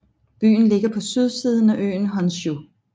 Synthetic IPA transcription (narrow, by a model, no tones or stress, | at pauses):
b̥y̰ːn̩le̝ɡ̥ɐpʰɒ̽syð̞ˠsiːð̞ˠn̩æʔø̰ːn̩ɦɒ̽nsu